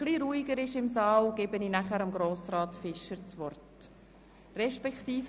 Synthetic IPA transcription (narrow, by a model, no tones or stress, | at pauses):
χliɾuːiɡəɾɪʃɪmsɑːlɡ̥ɪbəninæχæɾɑmɡɾoːsɾɑːtfɪʃəɾt͡sʋɔrt | rɛʃpɛktiːf